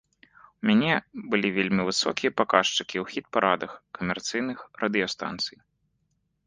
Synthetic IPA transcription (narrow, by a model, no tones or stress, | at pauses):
umʲanʲɛbɨlʲivʲelʲmʲivɨsɔ̰kʲijɐpakaʂt͡ʂɨkʲiwxʲit̪̚paɾʔad̪ɐxkɐmʲɛrt̪sɨjnɨxrɐd̪ɨjɔst̪a̰nt̪sɨj